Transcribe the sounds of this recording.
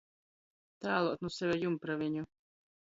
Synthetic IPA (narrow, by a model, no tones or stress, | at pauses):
t̪æːlˠuɔt̪̚nusɛvʲɛjumpɾavʲiɲu